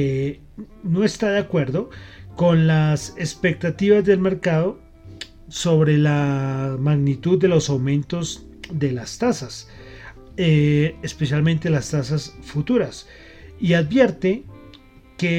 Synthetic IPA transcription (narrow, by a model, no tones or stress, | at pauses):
no̞est̪aðeakwe̞ɾðo̞ko̞nlasespe̞k̚t̪at̪iβazd̪e̞lme̞ɾkaðo̞ | so̞βɾe̞lamaɣnit̪uðːe̞lo̞sawmẽ̞nt̪o̞z | d̪e̞last̪asas | eespesjalmẽ̞nt̪elast̪asasfut̪uɾas | iaðbje̞ɾt̪e | ke